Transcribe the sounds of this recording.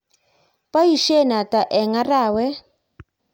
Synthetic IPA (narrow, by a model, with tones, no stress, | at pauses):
pʼa˦ji˨ʃɛ˦˨na˨kʼa˨ʔɛ˨ŋa˦raː˨wɛ˦